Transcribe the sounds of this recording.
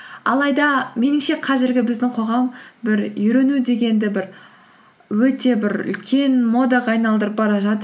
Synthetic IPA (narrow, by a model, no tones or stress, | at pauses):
ɑ̰lˠɑjd̪ɑme̞nɪmʃe̞qʰɑzɪɾɡʲɪbɪzd̪ɪŋqʰo̞ʁɑmbɪɾjʏɾe̞nud̪e̞ɡʲe̞nd̪ɪbɪɾ | wɵt̪e̞bɪɾʏ̰lkʲʰe̞nmo̞d̪ɑʁɑːjnɑlˠd̪əɾəp̚bɑɾɑʒɑt̪ə